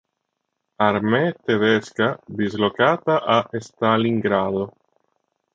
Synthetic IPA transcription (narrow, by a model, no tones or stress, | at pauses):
aɾmet̪eðeskad̪izlokat̪aʔaʔest̪aliŋɡɾaðo